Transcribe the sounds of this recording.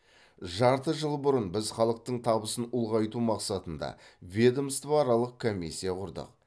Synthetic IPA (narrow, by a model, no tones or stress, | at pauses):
ʒɑɾt̪əʒəlˠbʊɾənbɪzχɑlˠəq̚t̪əɴt̪ʰɑbəsənʊlˠʁɑjt̪umɑqsɑt̪ənd̪ɑ̰vʲed̪omst̪vaɾɑlˠəq̚kʰomːisʲːijaqʰʊɾd̪ə̰q̚